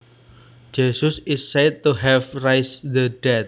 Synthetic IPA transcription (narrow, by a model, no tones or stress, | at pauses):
d͡ʒesʊsɪsːɛd̪̚t̪uɦɛvrajsd̪ədɛt̪̚